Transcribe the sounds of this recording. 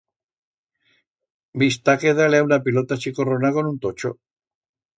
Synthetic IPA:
bist̪akeðaleaunapilo̞t̪at͡ʃikoronako̞nunt̪ot͡ʃo̰

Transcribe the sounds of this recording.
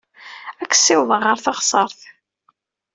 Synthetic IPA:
ækːsːɪwðˤəʁəɾθɑχsˤɑɾˤθ

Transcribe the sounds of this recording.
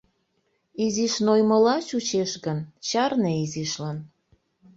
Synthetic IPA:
iziʃnojməlɑt͡ɕut͡ɕeʃɣənt͡ɕɑrneiziʃlɑn

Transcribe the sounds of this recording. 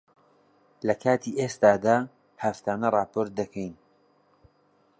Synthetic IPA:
lɐkʰaːt̪ʰiːʔest̪aːd̪aː | hɐft̪ʰaːnɐrˤɑːpʰoːɾt̪̚d̪ɐkʰɛjn

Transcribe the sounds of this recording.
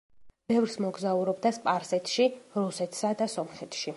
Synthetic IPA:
b̥ɛvɾsmɔɡzauɾɔbd̪aspʼaɾsɛt̪ʰʃiɾusɛt̪ʰsad̪asɔmχɛt̪ʃi

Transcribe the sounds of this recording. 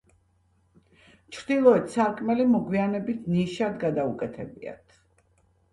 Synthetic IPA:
t͡ʃʰɾd̪ilˠɔɛt̪saɾkʼmɛlimɔɡwianɛbit̪ʰniʃad̪ɡad̪aukʼɛt̪ʰɛbia̰t̪ʰ

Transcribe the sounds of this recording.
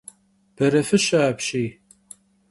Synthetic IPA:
b̥ɐɾɐfɨɕaːpɕiː

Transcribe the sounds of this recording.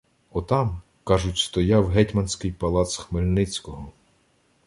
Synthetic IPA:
ɔt̪ɑm | kɑʒʊtʲst̪ɔjɑwɦɛtʲmɐnsʲkɪjpɐlˠɑt̪sxmelʲnɪt͡sʲkɔɦɔ

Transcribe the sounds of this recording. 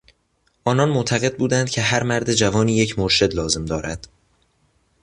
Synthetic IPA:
ʔɒːnɒːnmot̪ʰæɣe̞d̪̚buːd̪ænd̪̥̚cʰe̞ɦæɾmæɾd̪e̞d͡ʒævɒːniːjecʰmoɾʃe̞d̪lɒːze̞md̪ɒːɾʔæd̪̥

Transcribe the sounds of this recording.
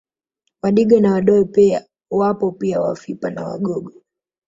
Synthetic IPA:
waɗiɡɔnawaɗɔɛpia̰ | wapɔpiawafipanawa̰ɡɔɡɔ

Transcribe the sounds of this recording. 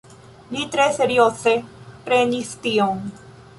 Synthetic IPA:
lit̪ɾeseɾjoθepɾenist̪ioŋ

